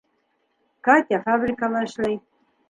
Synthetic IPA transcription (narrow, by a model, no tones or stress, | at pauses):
kat̪ʲafabɾikalaʃlaj